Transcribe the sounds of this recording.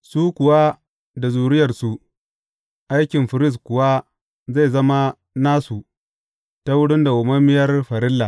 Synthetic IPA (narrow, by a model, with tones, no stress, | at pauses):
suː˦kʷʊ˨wa˦ | da˨zuː˨ɽɪ˦jɐ˨rsu˦ | ʔa˦jkʲɪ˨mɸɪ˨ɾɪ˦˨s̬kʷʊ˨wa˦ | za˦˨jzɐ˦ma˦ | naː˦su˨ | ta˦wʊ˦ɽʊ˦nda˨ʔʊ˨mɐ˦mɪ˦jɐ˦rɸɐ˨ɾɪ˦lːa˨